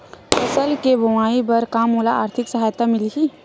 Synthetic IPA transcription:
pəsəlkebʱəwaːibəɾkaːmoːlaaːɾt̪ʰɪksəɦaːjət̪amɪliki

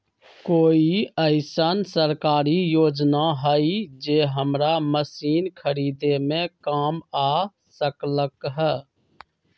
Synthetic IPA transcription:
koːiəɪsansəɾkaːɾijoːd͡ʒnaɦəid͡ʒeːɦəmɾaməsiːnkʰəɾiːd̪emẽkaːmaː | səkləkɦɛː

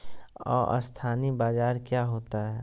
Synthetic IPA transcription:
ɔ̰ːʔə̰st̪ʰaːnibaːd͡ʒaːɾkjaːɦoːt̪aɦɛː

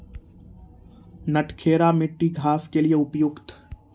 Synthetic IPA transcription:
nɐʈʰkʰeːɾamɪʈːiɡʱaːskelieʊpjʊkt̪

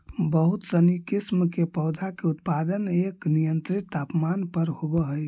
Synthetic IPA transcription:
bəɦut̪sənikismkepɔʊd̪ʱakeʊt̪pad̪əneknijənt̪ɾit̪aːpmanpəɾhobəɦəj

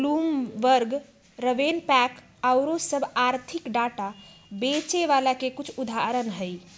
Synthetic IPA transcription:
lumʋəɾɡ | ɾəʋenpɛk | aʊɾosəbʱaɾt̪ʰikɖaʈabet͡ʃeʋalakekut͡ʃʰud̪ʱaɾənɦəj

